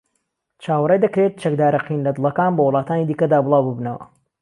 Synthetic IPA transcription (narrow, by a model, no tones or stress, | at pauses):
t͡ʃʰaːwrˤejd̪ɐkɾet̪̚t͡ʃɐk̚d̪aːɾɐqinlɐd̪ɨlˠɐkaːnbɐwʊlˠɑːt̪aːnid̪iːkɐd̪aːbɨlˠɑːwbɨbnɐwɐ̰